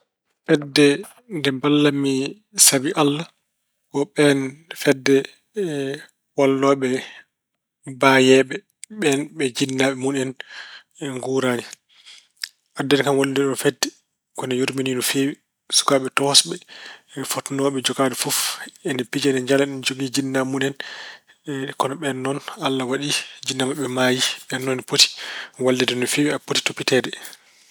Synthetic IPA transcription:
fɛdːɛ | ndɛmbalːamːi | sabiʔalːa | kɔɓɛnfɛdːɛ | walːɔːɓɛ | bajɛːɓɛ | ɓɛnɓɛd͡ʒinːaɓɛmunɛn | ŋɡuːɾaːni | ʔadːɛnkanwoldɗɔnfedːɛ | kɔnɛjoɾmininɔfewi | su̥kaːɓɛtɔhsɓɛfotnɔɓɛd͡ʒɔɡaːdufufɛnɛpid͡ʒɛnɛɲd͡ʒalaɛnd͡ʒoɡid͡ʒinːamunɛn | kɔnaɓɛnːɔnalːawaɗid͡ʒinːamaɓɛmaːjiɓɛnːɔnpoti̥walːɛdinɔfewiapoti̥topːitɛdɛ

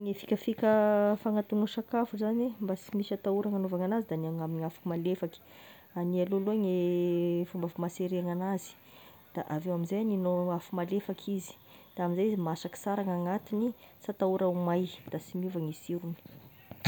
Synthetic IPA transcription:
ŋefi̥kʲəfikʲəfaŋat̪uŋəʃakafuzanembasimiʃat̪auɾaŋanovaŋanazid̪aniaŋaminiafakmalefaki̥ | anialuloeŋe | fumbafumaseɾeaŋanazi̥ | d̪̥aʔavewaminzajninoafumalefakʰizi̥ | d̪̥aaminzaizimasaki̥saɾaŋaŋat̪inisat̪auɾaumajd̪̥asimuvaŋisiɾuni̥

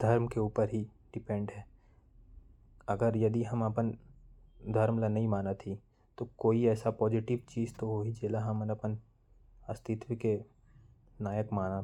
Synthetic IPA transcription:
d̪ʱɐɾmkeuːpəɾɦi | ɖɪpɛ̃ɳɖɦɛː | ɐɡəɾjɐd̪iɦɐmɐpən | d̪ʱɐɾmlanɐɦĩmaːnat̪ʰi | t̪okoːiɛːsapɔːd͡ʒɪʈɪʋt͡ʃiːd͡ʒt̪oʋoːɦid͡ʒeːlaɦɐmənɐpən | ɐst̪ɪt̪wəke | naːjəkmaːna

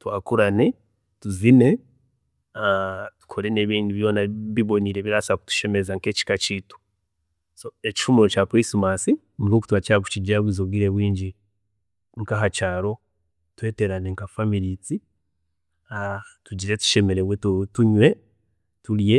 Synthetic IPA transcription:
twaːkuɾane̞ | tuzine̞ | atu̥kʰo̞ɾe̞ne̞ːβiːnduβjo̞ːnaβiβo̞niɾe̞βiɾasaku̥tu̥ʃe̞mezaŋke̞ːci̥kat͡ʃitu̥ | so̞eci̥ʃumuɾo̞capɾismasi | nikoku̥twacaku̥ciɟaβwizoɡiɾeβwiːɲɟi | ŋkaɦat͡ʃaːɾo̞ | twe̞ːte̞ɾaneŋkafamiɾit͡si | atuɟiɾe̞tu̥ʃe̞me̞ɾeβwettuɲwe̞ | tulje

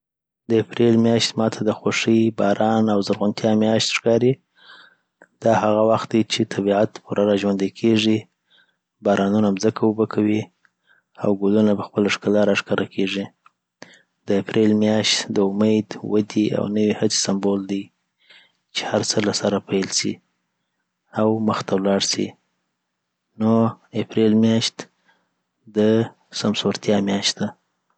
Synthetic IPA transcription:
d̪əapɾelmjɑʃt̪mɑt̪ʰad̪əxoʂəjbɑɾʔɑnawzaɾɣʊnt̪ʰjɑmjɑʃt̪ʂkɑɾi | d̪̥ɑhaɣawaxt̪̚d̪ajt͡ʃet̪ʰabiʕat̪puɾaɾɑʒwand̪akʰeʐi | bɑɾʔɑnunamzəkʰawəbəkʰawi | a̰wɡolunabəxpəlaʂkalɑɾaʂkaɾakʰeʐi | d̪̥əapɾelmjɑʃt̪d̪əʊmajd̪wad̪ia̰wnəwihat͡si̥sambold̪aj | t͡ʃe̥haɾt͡səlasaɾapajlsḭ | awməxt̪awlɑɽsḭ | noepɾelmjɑʃt̪ | d̪ə | samsoɾt̪jɑmjɑʃt̪̚d̪a

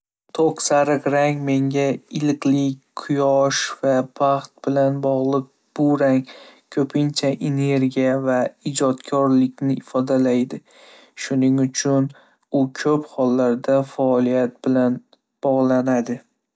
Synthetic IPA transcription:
t̪ʰoqsaɾɨqɾaŋme̞ŋɡʲaɪlqlɪkʲqʰʊjɒʃvapʰaχt̪̚bɪlanbɒʁlˠɨq̚ | b̥ʊɾaŋkʰɵpʰɪnt͡ʃʰaʔene̞ɾɡʲijavaɪd͡ʒɒt̪kʰɒɾlɪkʲnɪɪfɒd̪alajd̪ɪ | ʃʊnɪŋʊt͡ʃʰʊn | ʊkʲʰɵphɒlːaɾd̪afaɒlˠijat̪̚b̥ɪlan | b̥ɒʁlˠanad̪ɪ

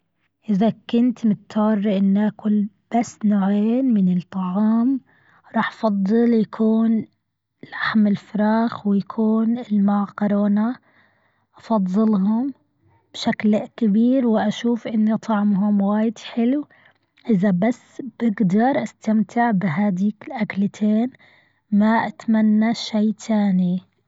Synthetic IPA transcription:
ʔɪðakʊnt̪mʊt̪ːɑːrːʔɪnːʔakʊl | b̥asːnaʕeːnmɪnɪt̪ˤːɑʕɑːm | ɾˤɑːħʔɑ̥fɑd̪ˤːɨljakʰuːn | laħmɪlfʊɾɑːxwɪjakʰuːnɪlmaʕqʊɾˤoːna | ʔɑfɑðˤːɨlɦʊm | b̥ʃaklkɪbiːɾwɪʔaʃuːfʔɪnːit̪ˤʰɑʕmɦʊmwaːjɪd̪ħɪlu | ʔɪðabasːb̥ɪɡd̪ɑɾˤʔast̪amt̪ʰɪʕbɪɦaːd̪iːkɪlʔaklt̪ʰeːn | maʔat̪manːaʃaːt̪ʰaːni

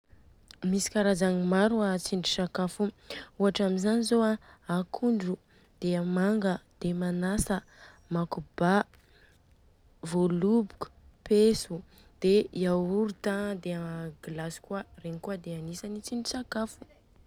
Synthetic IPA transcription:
misi̥kaɾazaŋimaɾuat͡siɳɖ͡ʐi̥sakafu | uɦaʈ͡ʂamizanizoaakʰuɳɖ͡ʐu | d̪̥eamaŋɡəd̪̥emanasə | makuba | volubuku̥pesu | d̪̥eiauɾut̪ad̪eaɡlasi̥kuəreɲikuəd̪eanisanit͡siɳɖ͡ʐisakafu̥

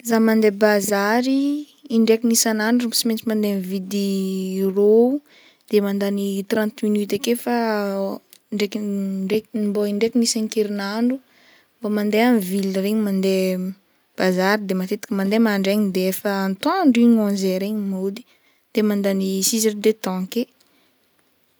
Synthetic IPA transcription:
zamand̪ebazaɾiː | ɳɖ͡ʐekinisanaɳɖ͡ʐuumbsiment͡simand̪ẽvid̪irou | d̪̥emand̪anit̪rãnt̪minyt̪ekefa | ɳɖ͡ʐekiɳɖ͡ʐek̪imboiɳɖ͡ʐekinisaŋkeɾinaɳɖ͡ʐu | mbamand̪eanvilɾeɲimand̪e | b̥azaɾid̪emat̪et̪i̥kʲəmand̪emaɳɖ͡ʐeɲd̪eefəːnt̪aɳɖ͡ʐiɲãzeɾeɲimod̪i̥ | d̪̥emand̪anisizand̪et̪ɔ̃ke

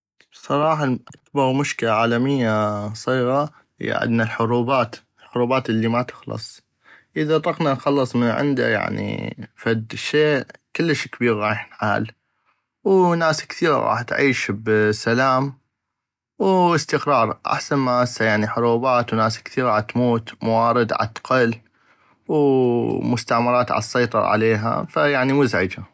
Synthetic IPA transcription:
bsˤɑɾˤɑːħaʔakbɑɾˤmʊʃkɪlaʕaːlamɪjːasˤiːɣa | j̰ʕɪ̰d̪nalħʊɾuːbaːt̪ | lħʊɾuːbaːt̪ʔɪlːimat̪ɪ̥xlɨ̰sˤ | ʔɪðat̪ˤɑqnanxɑlːɨsˤmənʕɪ̰nd̪a̰ja̰ʕnḭfad̪ʃeːkɪlːəʃkbiːɾɣɑːjħnħa̰ːl | wnaːskθiːɾ̰ɣɑ̰ːħt̪ʕiːʃbsalaːm | wɪst̪ɪqɾˤɑːɾˤʔa̰ħsanmaʔasajaʕniħʊɾuːbaːt̪wnaːskθiːɾat̪muːt̪mawɑːɾɨd̪ʕa̰t̪qɑl | wmʊst̪aʕmɑɾˤɑːt̪ʕa̰lsˤːɑjt̪ˤɑɾ̰ˤʕa̰leːɦa̰fajaʕnimʊzʕɪd͡ʒa

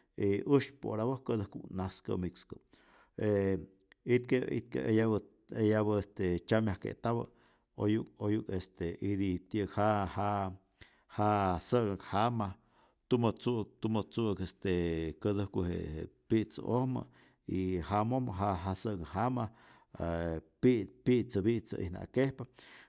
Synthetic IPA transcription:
eʔuʃpo̰ɾabohkəd̪əhkṵnaskə̰mikskə | e | it̪̚keḭt̪̚kḛʔejaβ | ejaβəest̪et͡ʃamjahkḛt̪aβə̰ | ojuk̚ojukest̪eʔid̪it̪əkhaha | hasəɡakhama | t̪umot͡suk̚t̪umot͡sukest̪ekəd̪ɨhkuɦḛepiʔt͡sə̰ʔohmə̰ | iɦamohmɦaɦasəɡaɦama | epipiʔt͡səbiʔt͡sə̰ʔḭhna̰kehpa

